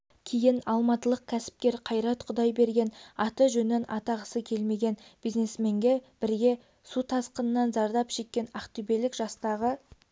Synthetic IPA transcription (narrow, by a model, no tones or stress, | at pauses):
kʲʰejɪnɑlˠmɑt̪əlˠəq̚kʲʰæsɪ̥p̚kʲe̞ɾqʰɑjɾɑt̪qʰʊd̪ɑjbe̞ɾɡʲe̞nɑt̪əʒɵnenɑ̰t̪ɑʁəsəkʲʰe̞lme̞ɡʲe̞nb̥ijzne̞sme̞ŋɡʲe̞b̥ɪɾɡʲe̞ | sut̪ʰɑsqənənːɑnzɑɾd̪ɑpʒ̥ekʲːe̞nɑqt̪ybe̞lɪkʒ̥ɑst̪ɑʁə